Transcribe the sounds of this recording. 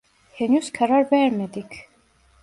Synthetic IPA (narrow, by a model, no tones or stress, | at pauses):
henyzkʰaɾaɾvɛɾmed̪ik